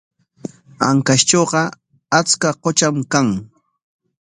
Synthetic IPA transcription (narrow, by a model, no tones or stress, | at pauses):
aŋkaʃt͡ʃoːɢɑ | at͡skaqot͡ʃamkaŋ